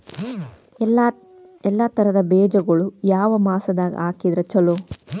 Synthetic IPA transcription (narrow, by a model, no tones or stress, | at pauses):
ɛlːɐt̪ɐɾɐd̪ɐbɛːd͡ʒɐɡɐɭujaːʋɐmaːsɐd̪aːɡḭaːkid̪ɾɐt͡ʃɐlo